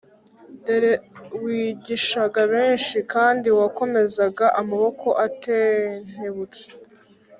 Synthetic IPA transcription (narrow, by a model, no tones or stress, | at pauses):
nde̞ɾewiːɟiʃaɡaβeːnʃikaːndiwako̞me̞zaɡaʔamaβo̞kʰo̞ʔateːn̥heβut͡se̥